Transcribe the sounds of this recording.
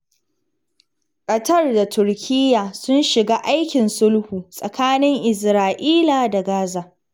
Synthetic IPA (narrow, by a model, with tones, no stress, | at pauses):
kʼɐ˨tɐ˦rda˨tʰʊ˨rkʲʰɪ˦jːaː˨sʊ˦nʃɪ˨ɡaː˦ʔa˦jkʲɪ˨nsʊ˦lhuː˨sʼɐ˨kaː˦nɪ˦ŋʔɪ˨s̬ɾaː˨ʔiː˦laː˨da˨ɡaː˦zaː˨ʔ